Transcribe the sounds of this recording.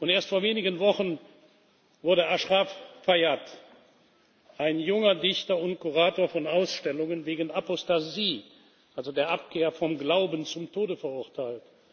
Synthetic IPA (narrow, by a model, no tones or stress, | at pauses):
ʔʊnteːɐstfoːɐveːnɪɡənvɔχən | vʊɐɾəʔaʃʁaffajat | ʔaɪnjʊŋɐdɪçtɐʊntkuʁaːtoːɐfɔnaʊsʃtɛlʊŋənveːɡən̩apɔstaziː | ʔalzodeːɐʔapkʰeːɐfɔmɡlaʊbənt͡sʊmtʰoːdəfɛɐʊɐtʰaɪlt